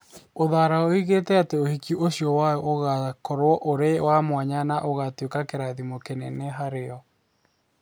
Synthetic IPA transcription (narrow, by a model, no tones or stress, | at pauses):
oðaɾaoiɣetɛateohikiʔoɕjɔwaɔʔoɣakɔɾwɔʔoɾewamwaɲanaʔoɣatwekakeɾaðimokenɛneɦaɾeɔ